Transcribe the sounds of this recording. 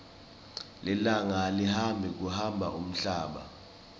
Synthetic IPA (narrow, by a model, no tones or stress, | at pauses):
lɛlaŋalihambʱik̬ʼuhambʱa̰ʔum̩ɬaːɓa̰